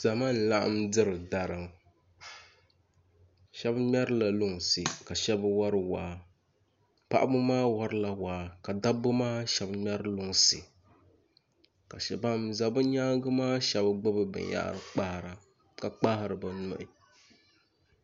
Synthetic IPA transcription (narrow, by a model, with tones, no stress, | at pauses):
za˨ma˦n̩˨la˦ʔa̰˦mdɨ˦ɾɨ˨da˨ɾɨ˨m | ʃɛ˦bmʲ˦ɛ˦ɾɨ˦la˨lʊ˦ŋ˨sɨ˨ka˨ʃɛ˦bɨ˦wa˦ɾɨ˦wa˨ | pa̰˦ʔa˦bʊ˦maː˦wɔ˦ɾɨ˦la˨waː˨ka˨da˦bʊ˦maː˦ʃɛ˦bmɛ˦ɾɨ˦lʊ˦ŋ˨sɨ˨ | ka˨ʃɛ˨ba˦mza˨bɨ˦ɲaː˦ŋ˦ɡɨ˦maː˦ʃɛ˦bɡ͡bɨ˦bɨ˦bɨ̰˨n˦ja̰˦ʔɾɨ˨k͡pa˦hɾa˨ | ka˨k͡pa˦hɪ˨˦ɾɨ˨ba˨nɔ̰˦˨ʔɪ˨